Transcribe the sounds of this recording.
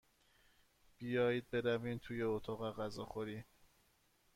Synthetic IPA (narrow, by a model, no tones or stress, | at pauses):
b̥ijɒːjiːd̪̚be̞ɾæviːnt̪ʰuːjeot̪ʰɒɣæɣæzɒːxoɾiː